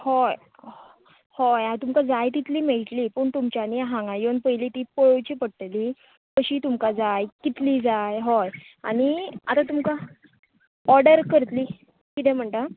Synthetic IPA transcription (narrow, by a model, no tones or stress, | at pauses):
hoj | hojat̪umkad͡zajt̪it̪liːmeɭʈ̪liːpəɳt̪umt͡ɕaniaɦãŋɡãjonpəjliːt̪iːpoɭowt͡ɕiːpəɽʈ̪liː | kəɕiːt̪umkad͡zajkit̪liːd͡zajɦɔja̰ɽ̃iat̪at̪umka | ɔɾɖəɾkəɾt̪liː | kit̪ʰɛ̃m̤əɳʈ̪a